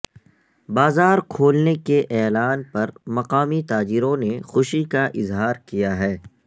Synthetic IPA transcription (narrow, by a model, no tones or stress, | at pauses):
baːzaːɾkʰoːlnekeʔɛːlaːnpɐɾmɐqaːmit̪aːd͡ʒɪɾõnexʊʃikaʔɪzɦaːɾkijaɦɛː